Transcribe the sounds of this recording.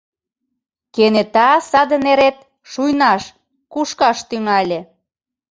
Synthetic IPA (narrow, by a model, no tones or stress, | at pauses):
kenet̪ɑsɑd̪əneɾet̪̚ | ʃujnɑʃ | kuʃkɑʃt̪yŋɑlʲe